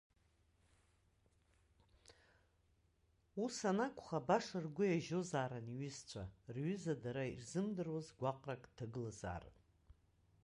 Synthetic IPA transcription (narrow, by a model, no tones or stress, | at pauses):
usanakʷʼχabaʂɨrɡʷʊjaʒozaːɾaniɥɪzt͡ɕʷʰarɥʏzadaɾairzɨmdɨrwazɡʷaqʼrakʼdʰaɡɨlaza̰ːr